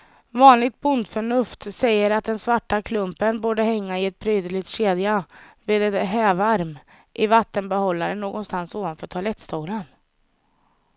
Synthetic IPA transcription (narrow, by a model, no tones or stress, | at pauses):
vɑːnlɪɡ̚t̪̚bʊnd̪fœɳɵft̪sɛjːəɾat̪̚d̪ɛnsvaʈːakʰlɵmpənbuːɖəɦɛŋːaɪɛt̪̚bɾyːd̪əɭɪɡt̪ɕeːd̪javeːd̪ɛt̪ɦɛːvaɾm | ʔɪvat̪ːənbɛhɔlːaɾənoːɡɔnst̪ansuːvanfœːʈʰalɛt̪ːst̪ʰuːlən